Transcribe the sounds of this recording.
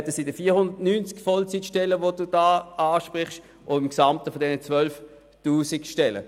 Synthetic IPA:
ɛtəsidəfiːɐhʊndɐtnyːnt͡skfɔlt͡sitʃtɛləʋod̥uːd̥aːaːʃpʁɪχʃ | ʔoɪmksamtəfɔdɛnət͡svœlf | tuːsɪkʃtɛlə̰

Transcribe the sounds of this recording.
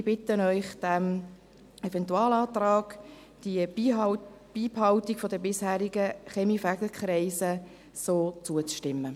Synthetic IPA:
b̥ɪt̪ənœʏχd̥æm | ɛvɛntuɑːlɑːt̪rɑːɡ̥ | d̥i | b̥iːphɑʊt̪ikfɔd̪əbɪshæːɾiɡəχɛmifæɡl̩kχɾɛɪsə | soːt͡suət͡sʃtɪmːə

